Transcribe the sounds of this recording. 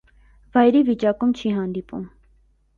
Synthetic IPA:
vɑjɾivit͡ʃɑkumt͡ʃʰiɦɑnd̪ipṵm

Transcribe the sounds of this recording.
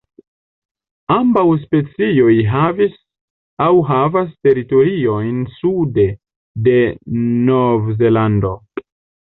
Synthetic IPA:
ambawspe̞t͡sio̞jɦavis | awɦavaste̞ɾito̞ɾio̞jnsude̞ | de̞novze̞lando̞

